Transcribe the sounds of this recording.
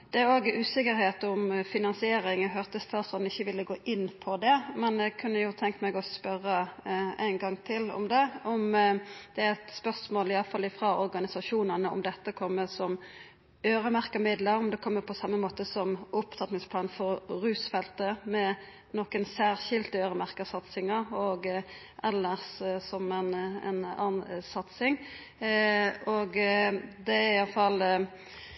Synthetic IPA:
d̪̥ɛæɾoːɡəʔʉːsɪkəɾheːt̪ɔmfɪnɑnsɪeːɾɪŋɔɦœʁt̪əst̪ʰɑːsɔnɪçːəʋɪlːəɡoːʔɪnːpʰɔd̪ɛmɛnjɛɡkʰʉnːəjʊt̪ʰɛŋk̪mɛɡɔspœʁəæ̰ɪnɡɑŋːt̪ʰɪlɔ̰md̪ɛɔmd̪̥ɛæɛt̪spœʁsmoːlɪɑːfɑlːɪfɾɑɔɾɡɑnɪsɑʃuːnənəɔ̰md̪ɛt̪ːəkʰɔmːəsɔm | øːɾəmæʁkəmɪd̪ləɾɔmd̪ɛkʰɔmːəpʰɔsɑmːəmoːt̪əsɔmʔʊpt̪ʰɑt̪nɪŋspʰlɑːnfɔɾʁʉːsfɛlt̪əmɛ | noːkənsæːʁçɪlt̪əøːɾəmæʁkəsɑt̪sɪŋɑɾɔːɡ | ʔɛlːəʁssɔmɛnɛ̰nɑ̰ːnsɑt̪sɪŋ | oːɡd̪ɛæɪjɑlfɑl

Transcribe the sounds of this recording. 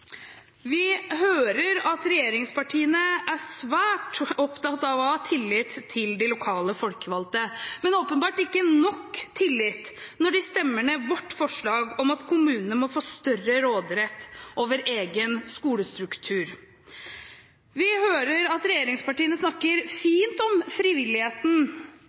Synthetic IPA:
ʋɪɦøːɾəɾɑt̪ɾɛjeːɾɪŋspʰɑʈʰiːənəʔæsʋæːʈɔpt̪ɑt̪ɑʋɔɑːt̪ʰɪlːɪt̪ʰːɪld̪ɪlʊkʰɑːləfɔlkəʋɑlt̪əmɛnoːpənbɑːʈɪkːənɔkːt̪ʰːɪlːɪt̪ːnɔɖɪst̪ɛmːəmɛʋɔʈːfɔʂɭɑːɡɔmɑt̪kʰʊmʉːnənəmɔfoːst̪œrəɾoːd̪ɾɛt̪ːʔoːʋəɾʔeːɡənskuːləst̪ɾʉkt̪ʰʉːɾ | ʋɪhøːɾəɾɑt̪ɾɛjeːɾɪŋspɑʈiːənəsnɑkːəɾfiːnt̪ɔmfɾɪʋɪlːɪheːt̪n̩

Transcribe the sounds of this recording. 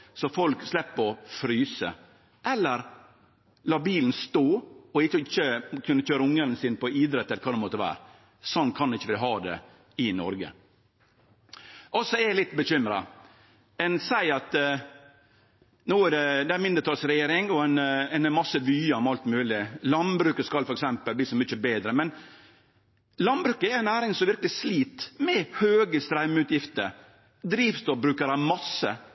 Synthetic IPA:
sɔfɔlkslɛpːɔfɾyːsə̰ | ʔɛlːəɾ | lɑːbiːlən̩st̪oːɔɪɪçːəkʰʉnːəçøːɾəʊŋːəɾənsɪːnpɔiːd̪ɾɛt̪ːɛlkʰɑːd̪ɛmɔt̪ːəʋæ̰ːɾ | sɔnːt̪kʰɑnɪçːəʋɪlɦɑːd̪ɛ̰ | ɪnɔ̰ɾɡə̰ | ʔɔsːɔɛlɪt̪ːbəɕʏmɾɑ̰ | ɛnsæɪɑt̪ | nuːæd̪ɛd̪ɛæɾmɪnd̪ət̪ʰɑːlsɾɛjeːɾɪŋɔɛnɛnmɑsːəʋyːəɔmɑlt̪mʉːlɪlɑnbɾʉːkəskɑlfɔɾɛksɛmpəlb̪iːsɔmʏt͡ʃəbeːd̪ɾəmɛn | lɑnbɾʉːkəæɾæɪnæːɾɪŋsɔmʋɪɾkəlɪsliːt̪mɛhøːɡəst̪ɾæmʉːt̪jɪft̪əɾ | d̪ɾiːʋst̪ɔbɾʉːkəɾɑmɑsə

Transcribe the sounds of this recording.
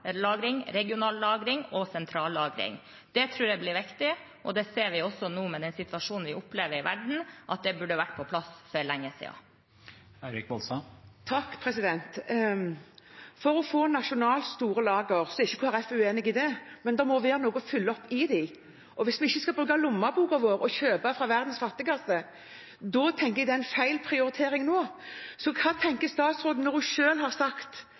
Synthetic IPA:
lɑːɡɾɪŋɾɛɡɪʊnɑːllɑːɡɾɪŋɔsɛnt̪ʰɾɑːlːɑːɡɾɪ̰ŋ | d̪̥ɛt̪ʰɾʉːɾɖɛblɪɾʋɪkt̪ɪ | ʔɔd̪ɛseːɾʋɪɔsːɔnuːmɛd̪ɛnsɪt̪ʋɑʂuːnn̩ʋɪʔʊpleːʋəɾɪʋæ̰ɖɳ̩ʔɑt̪̚d̪ɛbʉɖəʋæʈːpʰɔpʰlɑsfœɾlɛŋːəsḭɑ̰ː | æɪɾɪkʋɔlsɑmt̪ʰɑkːpʰɾɛsɪd̪ɛnt̪ | fɔɾɔfoːnɑʃʊnɑːlst̪uːɾəlɑːɡəʁsɔɛɾɪçːəkʰʊæʁɛfʉeːnɪɡɪd̪ɛmɛnd̪ɛmɔʋeːɾənoːɡɔfʏlːəɔpːɪd̪ɪɪ | ʔɔʋɪsmɛɪçːəskɑbʁʉɡɑlʊmːɑbuːɡɑʋoːɾɔçøːbɑfɾɑʋæʁd̪nsfɑt̪ːəkɑsə | d̪ɔt̪ʰɛŋkəɾɛɡd̪ɛæɪnfæɪlpʰʁɪʊɾɪt̪ʰeːɾɪŋnoːsɔkʰɑːt̪ʰɛŋkəst̪ɑːt̪sʁoːd̪n̩ɔɾd̪ʉʃøːlhɑʁsɑkt̪

